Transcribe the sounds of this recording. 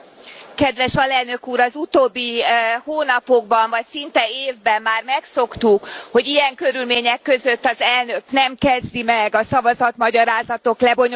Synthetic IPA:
kɛd̪ʋɛʃɒlɛlnø̞kuːɾɒzut̪oːbːihoːnɒpo̞ɡbɒɱvɒcsint̪ɛeːvbɛmːaːrmɛkso̞kt̪ukho̞ɟijɛŋkø̞ɾylmeːɲɛkːø̞zøt̪ːɒzɛlnøknɛmkɛzd̪imɛɡɒsɒvɒzɒt̪mɒɟɒɾaːzɒt̪o̞klɛbo̞ɲ

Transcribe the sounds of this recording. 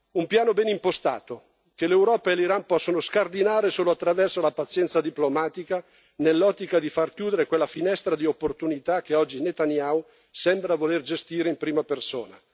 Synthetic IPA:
umpjaːnobɛnimpost̪a̰ːt̪o | kelewɾɔːpaeliɾanpɔsːonoskard̪inaːɾesoːloat̪ːɾavɛrsolapat̪sːjɛnt̪sad̪iplomaːt̪ika | nelːɔt̪ːikad̪ifarkjuːd̪eɾekwelːafinɛst̪ɾad̪iopːort̪unit̪akːeɔd͡ʒːinet̪anjaw | sɛmbɾavolerd͡ʒest̪iːɾeimpɾiːmapersoːna̰

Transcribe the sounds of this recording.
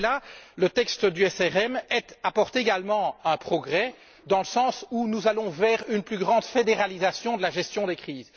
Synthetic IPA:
lalət̪ɛkst̪əd̪yɛsɛʁɛmɛt̪apɔʁt̪eɡalmɑ̃ɛ̃pχɔɡʁɛ | d̪ɑ̃ləsɑ̃sunuzalɔ̃vɛːʁynplyɡʁɑ̃d̪fed̪eʁalizasjɔ̃d̪əlaʒɛst̪jɔ̃d̪ekχiːz

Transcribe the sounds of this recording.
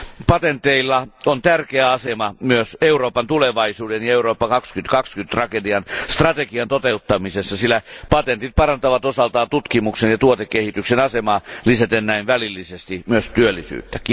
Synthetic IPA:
pɑt̪ent̪eilːɑont̪ærkeæɑsemɑmyøseuroːpɑnt̪uleʋɑisuːdenjɑeuroːpːɑkɑkskyt̪kɑkskyt̪t̪rɑkediɑnst̪rɑt̪ekiɑnt̪ot̪eut̪ːɑmisesːɑsilːˑæpɑt̪ent̪it̪̚pɑrɑnt̪ɑʋɑt̪osɑlt̪ɑːnt̪ut̪kimuksenjɑt̪uot̪ekːehit̪yksenɑsemɑːlisæt̪enːæinʋælilːisest̪imyøst̪yølːˑisy̰ːt̪ːæki

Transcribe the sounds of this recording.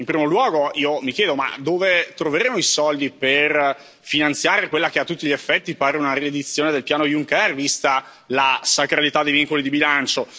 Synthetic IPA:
impɾiːmolwɔːɡoiːomikjɛːd̪oma̰d̪oːvet̪ɾoveɾeːmoisɔld̪iper | finant̪sjaːɾekwelːakeat̪ːut̪ːiʎiefːɛt̪ːipaːɾeunared̪it̪sːjoːned̪elpjaːnojuŋkɛrvist̪a | lasakɾalit̪ad̪ːejviŋkolid̪ibilant͡ʃo

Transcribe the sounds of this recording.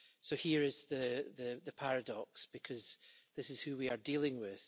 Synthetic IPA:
sohiɹɪz̥ðəðɨðəpʰaɹɨdɔksb̥ɪkʰʌz̥ðɪsɪz̥hʉwiə˞dilˠɪ̃ŋwɪð̥

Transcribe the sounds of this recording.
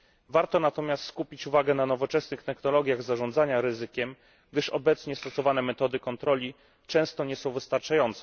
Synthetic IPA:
vaɾt̪ɔnat̪ɔmʲjast̪skupʲit͡ɕuvaɡɛnanɔvɔt͡ʂɛsnɘxt̪ɛxnɔlɔɡʲjaɣzaʐɔnd̪zaɲaɾɘzɘkʲɛm | ɡ̚d̪ɘʂɔbɛt̪sɲɛst̪ɔsɔvanɛmɛt̪ɔd̪ɘkɔnt̪ɾɔlʲi | t͡ʂɛ̃w̃st̪ɔɲɛsɔ̃w̃vɘst̪aɾt͡ʂajɔnt̪sɛ

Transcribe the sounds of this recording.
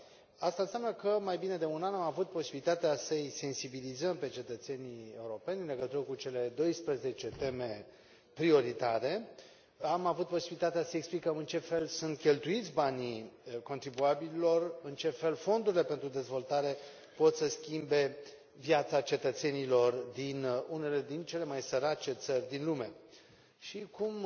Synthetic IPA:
ast̪aɨnsʲjʲamnəkəmajbine̞d̪e̞unanamavut̪̚po̞sibilit̪at̪easəjse̞nsibilizəmpe̞t͡ʃe̞t̪ət̪se̞nie̞uɾo̞pe̞nʲɨnle̞ɡət̪uɾəkut͡ʃe̞le̞d̪o̞jspɾəze̞t͡ʃe̞t̪e̞me̞ | pɾio̞ɾit̪aɾe̞ | amavut̪̚po̞sibilit̪at̪easəeksplikəmɨnt͡ʃe̞fe̞lsunt̪̚kʲe̞lt̪uit̪sʲbaniko̞nt̪ɾibuabililo̞rɨnt͡ʃe̞fe̞lfo̞nd̪uɾile̞pe̞nt̪ɾud̪e̞zvo̞lt̪aɾe̞ | po̞t̪səskʲimbe̞ | vjat̪sat͡ʃe̞t̪ət̪se̞nilo̞rd̪inune̞le̞d̪int͡ʃe̞le̞majsəɾat͡ʃe̞t̪sərʲd̪inlume̞ | ʃikum

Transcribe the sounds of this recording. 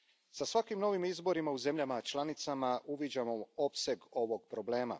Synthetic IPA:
sasʋakimno̞ʋimizbo̞ɾimauze̞mʎamat͡ʃlˠanit̪samaʔuʋid͡ʑamo̞o̞pse̞ɡo̞ʋo̞ɡpɾo̞ble̞ːma̰

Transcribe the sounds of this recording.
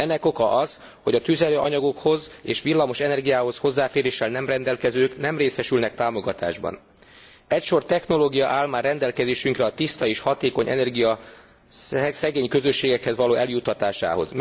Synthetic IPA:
ɛnːɛko̞kɒʔɒz̥ | ho̞ɟɒt̪yzɛløːʔɒɲɒɡo̞kho̞zeːʃʋilːɒmo̞ʃɛnɛrɡijaːɦo̞sho̞zːaːfeːɾeːʃːɛlnɛmrɛnd̪ɛlkɛzøːknɛmreːsɛʃylnɛk̚t̪aːmo̞ɡɒt̪a̰ːʒbɒ̰n | ɛcʃo̞rt̪ɛxno̞loːɡijɒʔaːlmaːrːɛnd̪ɛlkɛzeːʃyŋkrɛɒt̪ist̪ɒeːʃhɒt̪eːko̞ɲʔɛ̰nɛrɡijɒ | sɛɡeːɲkø̞zø̞ʃːeːɡɛkhɛzʋɒloːɛljut̪ːɒt̪aːʃa̰ːɦo̞̰zm

